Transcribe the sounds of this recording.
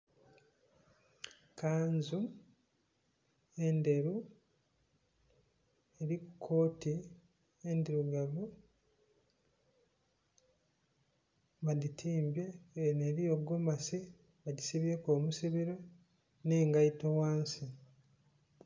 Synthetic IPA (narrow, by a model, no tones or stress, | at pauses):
kaːnzu | e̞nde̞ɾu | eɾikukʰo̞ːti | endiɾuɡaβu | βaditʰiːmbje̞neɾijo̞ɡomasi | βaɟisiβjekoːmusiβiɾo̞ | neːŋɡaitowaːnsi